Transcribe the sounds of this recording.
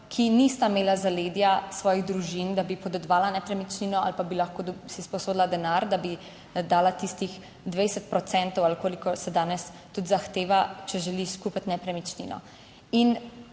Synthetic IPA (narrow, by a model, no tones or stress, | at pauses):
kʰinist̪ameːlazaleːd̪jasʋɔːjiɣd̪ɾuʒind̪abipɔd̪ɛd̪ʋaːlanɛpɾɛmit͡ʃninɔa̰lpabilaxkoːsispɔsoːd̪lad̪ɛnaɾd̪abi | d̪aːlat̪ist̪ix | d̪ʋɛjsɛt̪̚pɾɔt̪sɛnt̪ɔwalkoːlikɔsɛd̪aːnɛst̪ut̪zaxt̪eːʋat͡ʃɛʒɛliskupat̪ʲnɛpɾɛmit͡ʃnḭnɔ̰ | in